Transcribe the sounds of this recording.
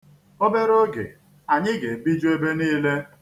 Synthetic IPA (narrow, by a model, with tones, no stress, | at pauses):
o˦be˦ɾo˦ɡḛ˨ | a˨ɲɪ˦ɡe˨bi˦d͡ʒu˦e˦be˦niː˦le˦